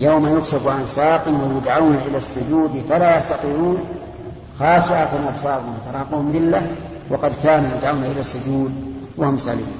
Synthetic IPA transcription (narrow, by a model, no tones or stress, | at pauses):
jawmajʊkʃabuʔansaːqɪnwajʊd̪ʕawnaʔɪlasːʊd͡ʒuːd̪falajɑst̪ɑt̪ˤiːɾuːn | xaːʃɪʔat̪anʔabsɑːbʊmwat̪ɑɾˤɑːquːhʊmðɪlːa | wɑqɑd̪kaːnujʊd̪ʕawnaʔɪlasːʊd͡ʒuːd̪wahʊmsɑ̰lḭːn